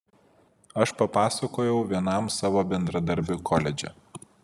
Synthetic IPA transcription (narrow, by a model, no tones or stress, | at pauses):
ɐʃpɐpɑːsɐkoːjɛʊʋʲiɛnɐˑmsɑːʋoːbʲɛnd̪ɾɐd̪ɐɾʲbʲʊkʰɔːlʲɛd͡ʒʲɛ̰